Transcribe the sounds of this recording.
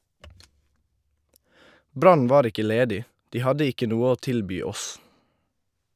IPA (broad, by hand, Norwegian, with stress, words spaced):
ˈbɾɑn ˈʋɑːɾ ˈɪkə ˈleːdɪ ˈdiː ˈhɑdə ˈɪkə ˈnuː ˈoː ˈtɪlbyː ˈɔs